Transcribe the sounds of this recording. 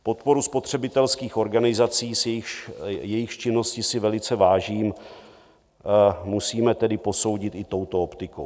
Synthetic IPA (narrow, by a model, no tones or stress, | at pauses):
po̞t̪po̞ɾuspo̞t̪r̝̥ɛbɪt̪ɛlskiːxo̞ɾɡanɪzat͡siːsjɛjɪxjɛjɪxt͡ʃɪnːo̞scɪsɪvɛlɪt͡sɛvaːʒiːm | musiːmɛt̪ɛdɪpo̞so̞wɟɪt̪ɪt̪o̞wt̪o̞opt̪ɪko̰w